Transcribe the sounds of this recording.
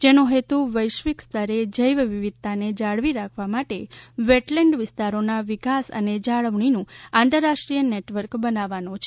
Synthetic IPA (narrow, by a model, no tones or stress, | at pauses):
d͡ʒenõɦet̪uʋəjʃʋikst̪ʰəɾed͡ʒəjʋʋiʋid̪̚t̪aned͡ʒaɭʋiɾakʰʋamaʈeʋeʈlɛɳɖʋɪst̪aɾonaʋikasə̰ned͡ʒaɭəʋɳinũãnt̪əɾːaʃʈɾijəneʈʋəɾkbənaʋanõt͡ʃʰe̥